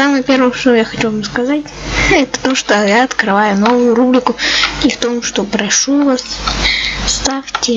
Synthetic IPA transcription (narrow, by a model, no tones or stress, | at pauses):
samɨjʊpʲervɨjʊʂt̪ojaxɐt͡ɕulvamskɐzatʲɛt̪ə̥t̪o̞ʂt̪ojaɐt̪kɾɨvajʊno̞vʊjʊɾublʲɪkʊift̪o̞mʂt̪opɾɐʂuvas | st̪aftʲɪ